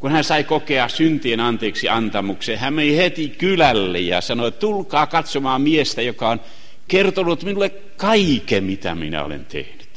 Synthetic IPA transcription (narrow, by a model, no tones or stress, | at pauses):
kunhæsɑikokeɑsynt̪ienɑnt̪eːksiɑnt̪ɑmuksehæmmenihet̪ikylælːḛjjɑ̰sɑnoet̪ulkɑːkɑt̪somɑːmiest̪æjokɑon | kert̪onut̪minulːek | kɑikemit̪æ̰minæ̰o̰lḛnt̪ḛhnyt̪